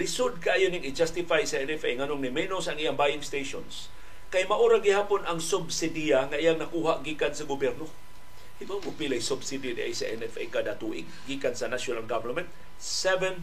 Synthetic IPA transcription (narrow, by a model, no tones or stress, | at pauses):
ɾɪsʊd̪̚kaʔaːjonɪŋɪd͡ʒast̪ɪfajsɐʔɛnɛfejŋanoŋnɪmɛnosɐŋijaŋbajɪŋst̪ejʃons | kajmaʔuɾaɡɪhaːponɐŋsʊbsɪd̪ijaŋaʔijaŋnakuːɦaʔɡiːkansɐɡʊbjɛɾno | himaŋʊpilajsʊbsid̪id̪iʔa̰jsaʔɛnɛfḛjkad̪at̪uʔɪ̰ɡ̚ɡiːkansɐnaʃonalɡavɛnmɛnt̪̚ | sɛvɛn